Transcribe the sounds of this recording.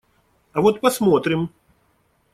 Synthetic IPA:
ɐvɔt̪̚pɐsmɔt̪ɾʲɪm

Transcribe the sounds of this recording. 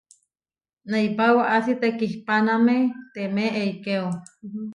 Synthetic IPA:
naipawaʔasit̪ekihpanamet̪emeʔeikeo

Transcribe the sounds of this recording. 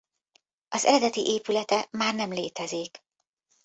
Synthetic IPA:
ɒzɛ̰ɾɛd̪ɛt̪ḭʔeːpylɛt̪ɛmaːrnɛmleːt̪ɛziːk

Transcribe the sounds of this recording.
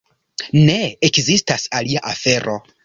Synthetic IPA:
ne̞ekzistasaliaʔafe̞ɾʔo̞

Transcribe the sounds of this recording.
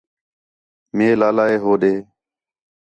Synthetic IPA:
meːlaːlaːeːɦoːɗeː

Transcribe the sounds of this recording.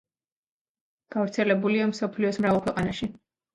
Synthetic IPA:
ɡ̥avɾt̪sʰɛlɛbuliamsɔpʰliɔsmɾavalˠkwɛqʼanaʃi

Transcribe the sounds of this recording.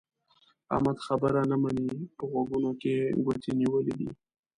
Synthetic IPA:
a̰mad̪xabəɾanamanipəɣwaɡunokeɡwat̪ʰeniwəled̪ḭ

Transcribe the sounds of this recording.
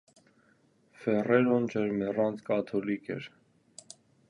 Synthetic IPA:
fɛrɛɾɔnt͡ʃʰɛɾmɛrɑnt͡skɑt̪ʰɔlikʰɛ̰ɾ

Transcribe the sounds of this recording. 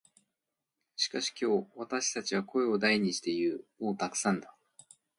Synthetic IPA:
ɕi̥kaɕi̥kʲo̞ːβat̪aɕi̥t̪at͡ɕiβ̞ako̞e̞o̞d̪aiɲ̟iɕi̥t̪e̞iɾɯ̟mo̞ːt̪akɯ̟̥sãnd̪a

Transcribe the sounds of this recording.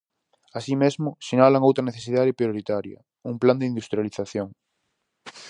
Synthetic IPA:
asimezmosenalaŋowt̪ɾaneθesiðaðepɾjoɾit̪aɾjɐ̰ | umpland̪eind̪ust̪ɾjaliθaθjoŋ

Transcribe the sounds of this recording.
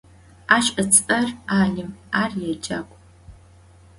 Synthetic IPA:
aːʃʼɐt͡sʼɐraːɮɪmaːrjɛd͡ʒakʷʼ

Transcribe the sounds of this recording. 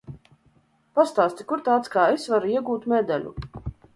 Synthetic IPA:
past̪aːst̪ʲikuɾt̪aːt̪skaːesvaɾuiɛɡuːt̪mɛd̪ɛlʲṵ

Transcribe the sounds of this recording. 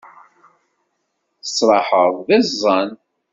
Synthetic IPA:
θə̥sˤɾˤɑħəðˤðɪzˤːɑn

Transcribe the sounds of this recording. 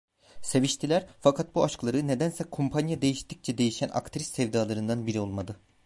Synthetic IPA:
se̞viʃt̪ʰilʲæɾfakʰat̪̚buaʃklˠaɾɯne̞d̪ænsɛkʰompʰanjad̪e̞jiʃt̪ʰic̚t͡ʃʰɛd̪e̞jiʃæna̰kt̪ʰiɾisɛvd̪aːlˠaɾɯnd̪anbiɾio̞lˠmad̪ɯ

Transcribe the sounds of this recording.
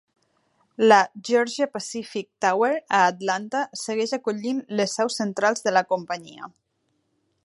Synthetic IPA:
ləʒɔɾʒiəpasifik̚t̪aweɾəːt̪lant̪asəɣɛʃakuʎinləsːɛwsənt̪ɾalˠzðələkumpəɲḭə̰

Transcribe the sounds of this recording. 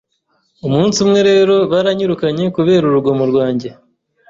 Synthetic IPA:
umuːnsumŋe̞ɾe̞ːɾo̞βaɾaɲuɾukaɲe̞kuβe̞ːɾuɾuɡomuɾɡwaːɲɟe

